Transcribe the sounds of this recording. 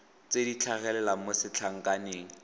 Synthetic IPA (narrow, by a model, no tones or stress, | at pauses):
t͡sedit͡ɬʰaɣɛlɛlamosɪt͡ɬʰaŋ̩kʼaneːŋ̩